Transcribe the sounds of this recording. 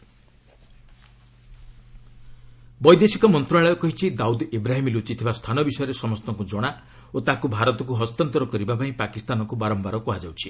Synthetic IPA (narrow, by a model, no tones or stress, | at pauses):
bɔjd̪esikɔmɔnt̪ɾaɭɔjɔkɔɦit͡ʃʰid̪aud̪ebɾaɦimilut͡ʃit̪ʰibast̪ʰanɔbisɔjɔɾesɔmɔst̪ɔŋkud͡ʒɔɽ̃a | ot̪akubʱaɾɔt̪ɔk̬uɦɔst̪ɔnt̪ɔɾɔkɔɾibapaĩpakist̪anɔŋkubaɾɔmbaɾɔpuɦad͡ʒawt͡ʃʰi